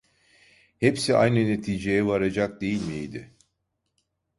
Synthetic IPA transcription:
hepsia̰jnɯne̞t̪ʰiːd͡ʒejɛvaɾad͡ʒak̚d̪e̞jilʲmid̪ɪ

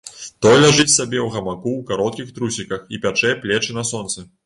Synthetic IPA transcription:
t̪ɔjlʲaʐɨt͡sʲsabʲɛwɣɐmakuwkaɾɔt̪̚kʲixt̪ɾusʲikɐxipʲat͡ʂɛplʲɛt͡ʂɨnɐsɔnt̪sɐ

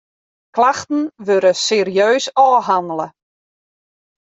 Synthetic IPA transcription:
klaxtən̩ʋøɾəseːɾiøːsɔːɦandələ

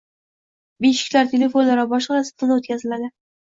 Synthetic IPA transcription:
beʃɪ̥kʲlaɾt̪ʰʲe̞le̞fonlaɾabɒʃqɑɾasɪ̥p̚t̪ʊnot̪̚kʲazɪlad̪ɪ

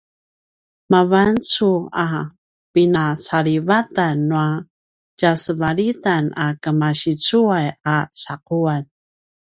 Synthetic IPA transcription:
mavant͡sua | pinat͡saɾivatanːua | d͡ʒasəvaɾitanakəmaɕit͡suajat͡saquan

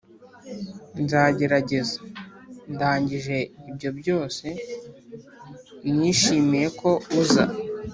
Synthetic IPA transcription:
nzaːɟe̞ɾaɟe̞zandaːɲɟiʒe̞ibɟo̞bjo̞ːse̞ | njiːʃiːmije̞ko̞uza̰

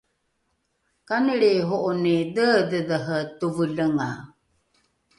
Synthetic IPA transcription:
kanəɭeɦoʔonedədəðəɦətuvələŋa

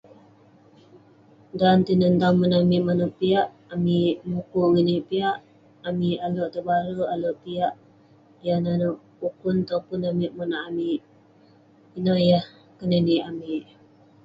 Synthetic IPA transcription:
dant̪inənt̪aŋmənamiʔmanaʔpiaʔ | amiʔmukuŋəniʔpiaʔ | amiʔalɔʔt̪əbaɾəalɔʔpiaʔ | jananɔʔ | pukʊnt̪apʊnamiʔmanaʔamiʔ | inajah | kənəniʔamiʔ

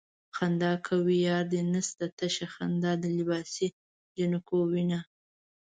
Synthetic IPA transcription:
xand̪ɑkʰawijɑːɾd̪enast̪at̪aʃaxand̪ɑd̪əlɪbɑsi | d͡ʒanakowina

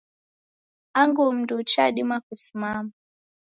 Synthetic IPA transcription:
aŋɡum̩ndut͡ʃaɗimakusimama

